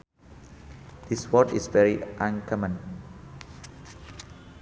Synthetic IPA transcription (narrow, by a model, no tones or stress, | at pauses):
d̪̥iswɔtisvɛɹiʔãnkʰɔmə̃n